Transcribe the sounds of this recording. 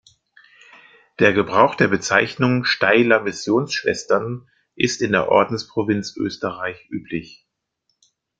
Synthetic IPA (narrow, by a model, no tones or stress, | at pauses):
d̥eːɐɡəbʁaʊxd̥eːɐbət͡saɪçnʊŋʃtaɪlɐmɪsjoːnsʃv̥ɛ̰stɐn | ʔɪstɪndeːɐʔɔ̰ɐdn̩spʁ̥ovɪnt͡sʔø̰ːstəʁaɪçʔyːpʰlɪç